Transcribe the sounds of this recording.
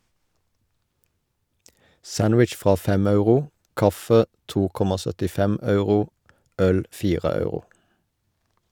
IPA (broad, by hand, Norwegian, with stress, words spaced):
ˈsænwɪt͡ʃ ˈfʁɑː ˈfɛm ˈɑʉʁʊ ˈkɑfə ˈtuː ˈkɔmɑ sœtɪˈfɛm ˈɑʉʁʊ ˈœl ˈfiːʁə ˈɑʉʁʊ